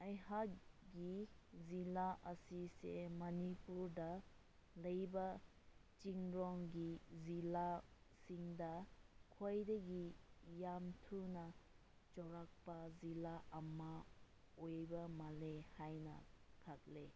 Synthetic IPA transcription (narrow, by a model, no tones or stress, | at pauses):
ajhakɡizilaʔɐsisḛmɐnipuɾdɐ | lɐjbɐ | t͡ʃiŋɾɔŋɡizilasiŋdɐkʰojdɐɡijamtʰunɐ | t͡ʃɔɾak̚pɐzilaɐma | ojbɐmɐlehajnɐ̰kʰat̚le